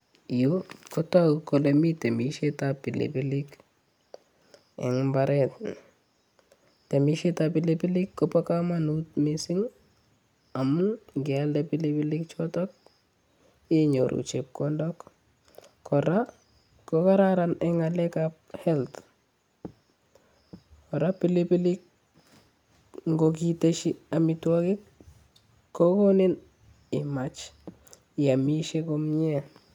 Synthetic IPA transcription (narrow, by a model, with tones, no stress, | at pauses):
ijoko˦ta˦kko˨le˨mi˦te˨mi˨ʃe˦tapi˨lḭ˨bi˦li˦k | ɛ̰ŋmbaɾɛt | te˨miʃe˦tapi˨lepi˦li˦kːopo˦kama˦nutmisi˦ŋ | a˨mu˦ɡɛaldepi˦li˦pi˦li˦kt͡ʃɔ˦tɔ˦k̚ | i˦ɲoɾʔṵt͡ʃe˨p̚kɔndɔk | kʰɔ˨ɾa˦ | koka˦ɾaɾa˦nɛŋa˨lɛ˦kap̚hɛ˦lt | kɔ˨ɾa˦pi˦li˦pi˦lɪk̚ | ŋɡok̬i˨teʃi˦a˨mitwɔ˦kɪ˦kː | o˦ko˦ne˦n | ɪ˨mat͡ʃ | a˨mi˦ʃe˦komɲɛ˦